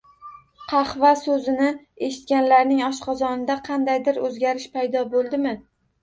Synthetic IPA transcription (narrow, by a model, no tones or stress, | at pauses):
qʰɑχvasɵzɪnɪ | e̞ʃɪ̥t̪̚kʲanlaɾnɪŋɒʃqʰɑzɒnɪd̪aqʰɑnd̪ajd̪ɪɾɵzɡʲaɾɪʃpʰajd̪ɒbolˠd̪ɪmɪ